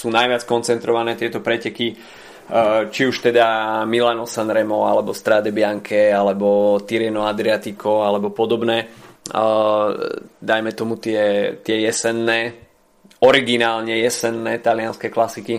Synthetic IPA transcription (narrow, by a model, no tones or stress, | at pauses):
suːnajʋɪat͡skɔnt͡sɛnt̪ɾɔʋanɛːt̪ɪɛt̪ɔpɾɛcɛki | t͡ʃiuʃt̪ɛd̪amilanɔsanɾɛmɔalɛbɔst̪ɾad̪ɛbɪaŋkʰɛalɛbɔt̪iɾɛnɔad̪ɾiat̪ikɔalɛbɔpɔd̪ɔbnɛː | d̪ajmɛt̪ɔmut̪ɪɛt̪ɪɛjɛsɛnːɛː | ɔɾiɡinaːlɲɛjɛsɛnːɛːt̪alianskɛklasiki